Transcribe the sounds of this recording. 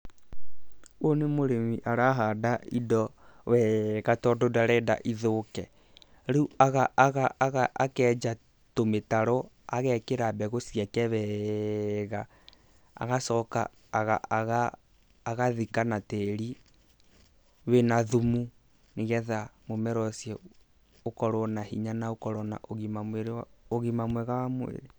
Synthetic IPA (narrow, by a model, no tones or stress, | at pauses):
onemoɾemiʔaɾaɦadaidɔwɛɣatɔdodaɾɛda̰ʔiðokɛ | ɾuuaɣaʔːɣaɣaʔakɛd͡ʒa | tometaɾɔ | aɣɛkeɾabɛɣosiakɛβɛ | ɣa | a̰ɣasɔka̰ː | ɣa̰ɣaː | ɣaðikanateɾi | wenaðumu | neɣɛðamomɛɾɔsjɛ | okɔɾɔnahiɲanaokɔɾɔna̰ʔoɣimamweɾoɣimamwɛɣawamwḛɾe